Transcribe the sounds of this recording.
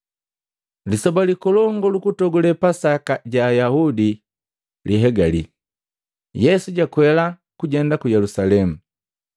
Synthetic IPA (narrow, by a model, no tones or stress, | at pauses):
lisɔbalikɔlɔŋɡɔlukutɔɡɔlɛpasakaɟaːjahudi | liɦɛɡalḭ | jɛsuɟakwɛla | kuɟɛndakujɛlusalɛmu